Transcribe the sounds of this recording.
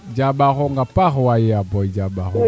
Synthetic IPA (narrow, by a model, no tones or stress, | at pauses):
d͡ʒabaɣɔŋɡapaɣwajeabɔid͡ʒabaɣɔ